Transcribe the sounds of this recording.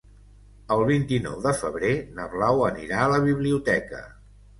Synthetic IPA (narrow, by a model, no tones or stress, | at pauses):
əlˠβint̪inɔ̰wðəfəβ̞ɾenəβlawənḭɾaələβ̞iβliut̪ɛkə̰